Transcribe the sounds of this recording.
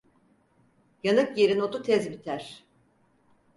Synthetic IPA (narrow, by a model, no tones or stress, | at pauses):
janɯkjeɾinot̪ut̪ʰɛzbit̪ʰæɾ̥